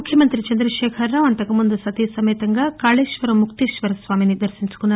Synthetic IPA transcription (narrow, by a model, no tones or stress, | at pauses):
ukʰːjɐmɐnt̪ɾit͡ʃɐnd̪ɾɐʃɛːkʰɐɾːaːʋɐnt̪ɐkɐmund̪usɐt̪isɐmeːt̪ɐŋɡaːkaːɭeːʃʋɐɾɐmːukt̪eːʃʋɐɾɐsʋaːminid̪ɐɾsiɲt͡ʃu̥kunːɐ